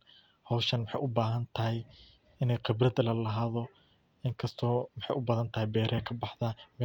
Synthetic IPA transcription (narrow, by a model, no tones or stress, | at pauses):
hɔwʃɐnwɑħɑ̰jʔʊbaːɦɐnt̪ʰɐɦɪj | ɪnɛjqɪbrɐd̪ɐlɐlɐɦaːðɔ | ɪŋkʰɐst̪ʰɔːwɑħɑ̰jʔʊbɐðɐnt̪ʰɐhɪjbɛːɾɛɛkʰɐbɑħðɐmɛ